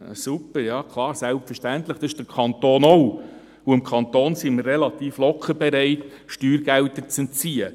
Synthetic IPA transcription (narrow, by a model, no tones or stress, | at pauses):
supːəɾjɑːkʰlˠɑːɾsælpfəʃtænt̪ləχd̥ɑɪʃd̥əɾkʰɑnt̪oːnɔw | uɪmkʰχɑnt̪oːnsimərːelɑt̪iːflɔkʰəɾbɛɾɛɪt̪ | ʃtyːɾɡæltət͡sɛnt͡siːə